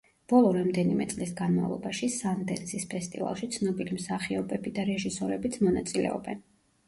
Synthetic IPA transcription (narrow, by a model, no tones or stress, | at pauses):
b̥ɔlˠɔɾamd̪ɛnimɛt̪sʼlisɡanma̰vlˠɔbaʃisand̪ɛnsispʰɛst̪ʼḭva̰lˠʃit̪sʰnɔbilimsaχiɔbɛbid̪aɾɛʒisɔɾɛbit̪sʰmɔnat̪sʼilɛ̰ɔ̰bɛn